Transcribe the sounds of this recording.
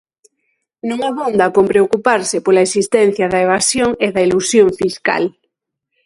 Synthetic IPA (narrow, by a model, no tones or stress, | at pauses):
nũŋaβond̪ɐkompɾeokupaɾsɪpolaesist̪ɛn̟θjɐðɐeβasjoŋeðɐilusjoŋfiska̰l